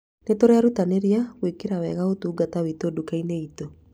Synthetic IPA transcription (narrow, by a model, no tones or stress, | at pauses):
netoɾɛaɾutaneɾiaɣwekeɾawɛɣaotuːɡatawitodukaineito